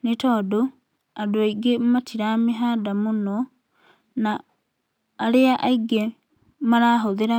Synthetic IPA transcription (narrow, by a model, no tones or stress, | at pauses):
netɔdo | adoaiɡematʰiɾameɦadamunɔ | naː | ɾeaʔaiɡe | maɾaɦoðeɾa